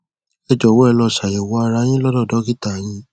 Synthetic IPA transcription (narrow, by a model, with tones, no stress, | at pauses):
ɛ˧˨d͡ʒɔ˨wɔ˦ɛ˦˧˨lɔ˧˨ʃa˨jɛ˨wɔ˨˦a˧ɾa˧˦j̃ĩ˦lɔ˦dɔ˦˨dɔ˨˦ɡi˦ta˦˨j̃ĩ˧˦